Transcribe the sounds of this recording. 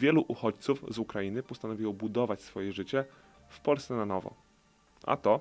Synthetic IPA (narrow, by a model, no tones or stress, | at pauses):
jɛluʔuxɔt͡ɕt̪sufzukɾajinɘpɔst̪anɔvʲiwɔbud̪ɔvat͡ɕsfɔjɛʐɘt͡ɕɛ | fpɔlst̪ɛnanɔvɔ̰ | ʔa̰t̪ɔ